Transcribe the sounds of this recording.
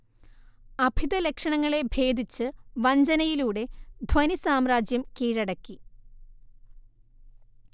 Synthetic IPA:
ɐbʱid̪ɐlekʂɐɳɐŋːɐɭe̞bʱe̞ːd̪ʱit͡ɕːɨʋɐɲd͡ʑɐnɐjiluːɽe̞d̪ʱwɐnisaːmɾaːd͡ʑjɐmkiːɻɐɽɐkːi

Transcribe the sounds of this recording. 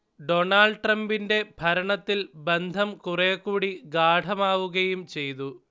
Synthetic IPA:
ɖo̞ɳaːɭɖʈrɐmbinde̞bʱɐɾɐɳɐt̪ːilbe̞nd̪ʱɐmkureːkːuːɽiɡaːɖʰʱɐmaːʋuɣɐjumt͡ɕe̞jt̪u

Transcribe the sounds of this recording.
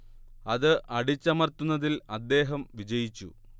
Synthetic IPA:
ɐðɨʔɐɽit͡ɕːɐmɐrt̪unːɐðilɐd̪ːe̞ːɦɐmʋid͡ʑɐjit͡ɕːṵ

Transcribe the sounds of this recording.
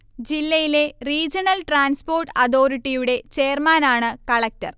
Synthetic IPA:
d͡ʑilːɐjile̞riːd͡ʑɐnɐlʈraːnspo̞ːrʈɐðo̞ːɾiʈːijuɽe̞t͡ɕeːrmaːnaːɳɨkɐɭɐk̚tɐ̰r

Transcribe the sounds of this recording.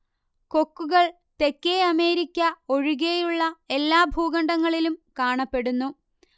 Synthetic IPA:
ko̞kːuɣɐɭ | t̪e̞kːeɐme̞ːɾikʲːɐo̞ɻiɣejuɭːɐe̞lːaːbʱuːɣɐɳɖɐŋːɐɭilumkaːɳɐpːe̞ɽunːu

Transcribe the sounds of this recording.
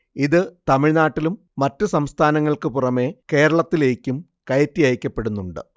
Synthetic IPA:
iðɨt̪ɐmiɻnaːʈːilumːɐtːɨsɐmst̪ʰaːnɐŋːɐɭkɨpurɐme̞ke̞ːɾɐɭɐt̪ːile̞ːkʲːum | kɐjɐtːijɐjikʲːɐpːe̞ɽunːuɳɖɨ̰

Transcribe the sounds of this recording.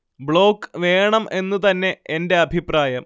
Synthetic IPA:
bɭo̞ːkːʋe̞ːɳɐme̞nːut̪ɐnːe̞ende̞ɐbʱipraːjɐm

